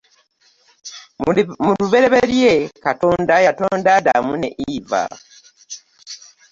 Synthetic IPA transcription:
muluβe̞ɾe̞βeɾjekatoːndajato̞ːndadamunḛʔiva̰

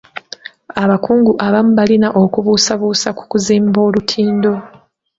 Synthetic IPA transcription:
aβakuːŋɡuʔaβamuβalinaʔo̞kuβuːsaβuːsaku̥kuziːmbo̞ːlutʰiːndo̞

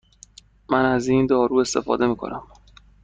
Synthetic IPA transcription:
mænæziːnd̪ɒːɾuːe̞st̪e̞fɒ̰ːd̪e̞miːkʰo̞̰nʔæm

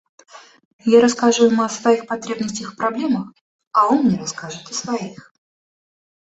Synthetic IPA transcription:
jaɾɐskaʐvʊmɐsvɐixpɐt̪ɾʲe̞bnəsʲtʲəxfpɾɐblʲe̞məx | ɐonmnʲeɾɐskaʐɨt̪əsvɐix

